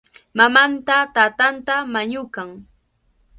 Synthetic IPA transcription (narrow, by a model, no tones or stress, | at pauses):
mamant̪at̪aːt̪ant̪amaɲʊkaŋ